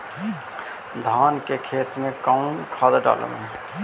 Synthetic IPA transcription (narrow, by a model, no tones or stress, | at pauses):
d̪ʱaːnkekʰeːt̪mẽkaʊnkʰaːd̪əɖa̰ːlə̰me